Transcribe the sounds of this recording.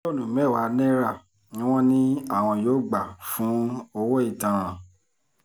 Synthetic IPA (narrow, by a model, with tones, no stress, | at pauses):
ɔ˦˨nũ˨mɛ˦˨wa˨˦nɛ̃˦ɾa˦˨ | nĩ˦w̃ɔ̃˦nĩ˦a˦˨w̃ɔ̃˧jo˨˦ɡ͡ba˨fũ˨˦ɔ˧wɔ˦i˦˨tã˨